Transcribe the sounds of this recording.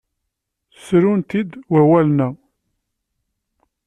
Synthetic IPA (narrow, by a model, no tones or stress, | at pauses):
θsɾunt̪id̪wæwælnæ